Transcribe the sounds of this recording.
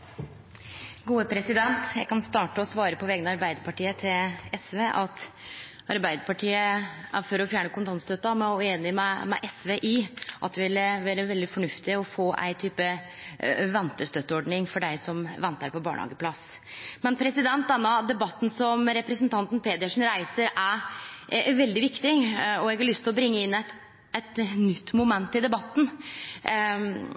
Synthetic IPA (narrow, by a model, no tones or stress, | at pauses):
ɡuːəpʰɾɛsɪd̪ɛnt̪jæɪkɑnst̪ɑːʈəɔsʋɑːɾəpʰɔʋɛːɡənəɑɾbæɪd̪əɾpɑʈiːət̪ʰɪlɛsʋeːʔɑt̪ | ʔɑɾbæɪd̪əɾpɑʈʰiːəæfɔɾɔfjæːɳəkʊnt̪ɑnst̪œt̪ːɑmɛɔeːnɪmɛmɛ̰ʔɛsʋeːʔɪʔɑt̪̚d̪ɛʋɪlːəʋæːɾəʋɛld̪ɪfɔɳʉft̪ɪɔfoːʔæ̰ɪt̪ʰyːpə | ʋɛnt̪əst̪œt̪ːəɔɖɳɪŋfɔɖæɪsɔmʋɛnt̪əɾpʰɔbɑ̰ːɳhɑ̰ːɡəpʰlɑs | mɛnpʰɾɛsɪd̪ɛnt̪̚d̪ɛnːɑd̪ɛbɑt̪ːn̩sɔmɾɛpɾɛsənt̪ʰɑnt̪n̩pʰeːd̪ɪəʂn̩ɾæɪsəɾæɾ | ʋɛld̪ɪʋɪkt̪ɪɔɛɡɑɭʏst̪ʰɪlɔbɾɪŋːəɪnːæt̪ | ɛt̪nʏt̪ːmʊmɛnt̪ːɪld̪ɛbɑt̪ːn̩